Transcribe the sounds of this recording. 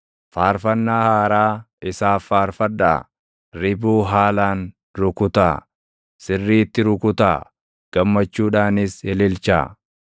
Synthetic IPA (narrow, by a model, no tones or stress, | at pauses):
faːɾfɐnːaːhaːɾaː | ɪsaːfːaːɾfɐda̰ː | ɾɪbuːɦaːlaːn | ɾʊkʊt̪a̰ː | sɪrːiːt̪ːɪɾʊkʊt̪a̰ː | ɡ̥ɐmːɐt͡ʃːuːᶑaːnɪshɛlɪlt͡ʃa̰ː